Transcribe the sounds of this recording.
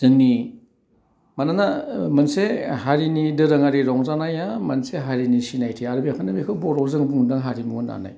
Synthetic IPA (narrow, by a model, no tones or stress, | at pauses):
z̥ɯŋni | mananamɐnsehaɾinidɯɾɯŋaɾiɾɔŋzanajamɐnseɦaɾinisinajtʰiaɾubijakʰanɯmikʰɯbɔɾɔwzɯŋbuŋdaŋɦaɾimuɯna̰na̰j